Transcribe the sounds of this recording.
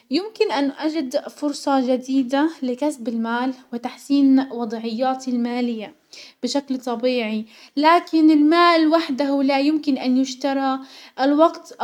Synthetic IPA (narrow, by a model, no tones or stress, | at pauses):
jʊmkɪnʔanːʔad͡ʒɪd̪fʊɾsˤɑʒad̪iːd̪alɪkasbɪlmaːlwɪt̪aħsiːnwɑd̪ˤʕɪjːaːt̪ilmaːlɪjːa | b̥ɪʃaklt̪ˤɑbiːʕi | laːkɪnɪlmaːlwaħd̪ahʊlajʊmkɪnʔanjʊʃt̪ɑɾˤɑʔlwɑɡt̪